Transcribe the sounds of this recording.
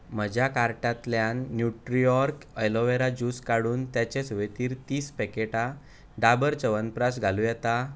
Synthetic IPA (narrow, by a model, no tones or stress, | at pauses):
m̤əd͡ʑakaɾʈãt̪ljãnːjuʈɾijɔɾkəjloʋeɾad͡ʑuskaɽuːnt̪jat͡ɕesʋet̪iːɾt̪iːspɛkeʈa | ɖabəɾt͡səʋənpɾasɡʱalujɛt̪a